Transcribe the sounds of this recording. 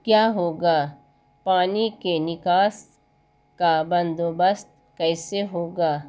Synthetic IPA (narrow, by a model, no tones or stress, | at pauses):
kjaːɦoːɡaː | paːnikenɪkaːs | kabɐ̃nd̪oːbəst̪ | kɛːseɦoːɡaː